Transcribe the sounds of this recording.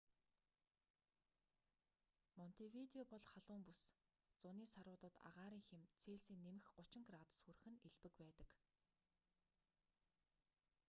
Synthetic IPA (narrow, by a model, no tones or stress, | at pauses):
mɔn̥t̪ʰewit̪eɔpɔɮχaɮ̥ʊːmpus | t͡sʊniːsaɾʊːt̪ə̆t̪a̰ʁaːɾiːŋxemt͡sʰeːɮsiːnːemɘ̆xɢʊt͡ɕɪ̆ŋɡraːt̪sxur̆xɘ̆neɮpɘ̆kpæːt̪ə̆k